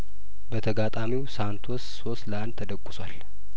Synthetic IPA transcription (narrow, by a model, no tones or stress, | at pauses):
bət̪ʰəɡat̪ʼamiwsant̪ʰosːosləant̪ʰəd̪əkʷʼːʊ̥sʷal